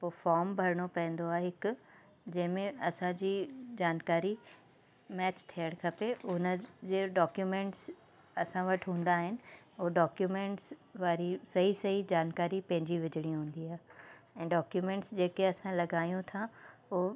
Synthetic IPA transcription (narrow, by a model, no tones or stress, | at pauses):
poːfaːɾmbʱɐɾɪɽ̃opɐ̃ɦɪ̃n̆d̪oaːɦeɦɪkʊ | d͡ʑɐ̃ɦɪ̃mẽɐsãd͡ʑiːd͡ʑaːnkaːɾi | mɛːt͡ɕt̪ʰijəɽ̃kʰɐpeʊnəd͡ʑeːɖɔːkjumẽːɳʈs | ɐsãʋɐʈʰɦũːn̆d̪aːɦɪnɪ̆ | ʊɖaːkjumẽːɳʈsʋaːɾisɐɦisɐɦid͡ʑaːnkaːɾipɐ̃ɦɪ̃ɲd͡ʑiʋɪd͡ʑʱɪɽ̃iɦũːnd̪iaːɦeɛ̃ːɖaːkjumẽːɳʈsd͡ʑeːkeɐsãlɐɡaːjũt̪ʰao